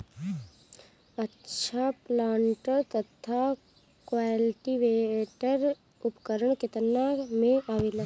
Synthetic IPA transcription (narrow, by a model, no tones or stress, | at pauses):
ətːʃʰaplãːɳʈəɾt̪ət̪ʰa | kʋalʈiʋeʈəɾ | ʊpkəɾəɳkɪt̪ənːamẽaʋilə